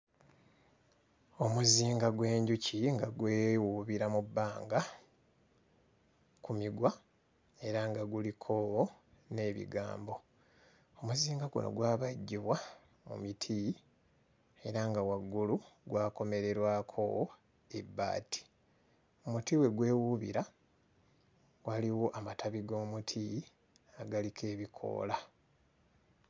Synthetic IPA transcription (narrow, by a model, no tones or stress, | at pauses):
o̞muziːŋɡaɡwe̞ːɲɟuciŋɡaɡweːwuβiɾamubːaːŋɡa | kumiɡwa | e̞ɾaŋɡaɡulikʰowne̞ːβḭɡa̰ːmbo̞ | omuziːŋɡaɡṵno̞̰ɡwaːβaɟːiβwa | mṵmitʰi | e̞ɾaŋɡawaɡːuluɡwaːko̞me̞ɾe̞ɾwaːkʰo̰w | eba̰ːtʰi̥ | omutiwe̞ɡwe̞ːwuβḭɾa | waliwo̞ʔamatʰaβiɡo̞ːmutʰi | aɡalikʰe̞ːβikʰo̞̰ːla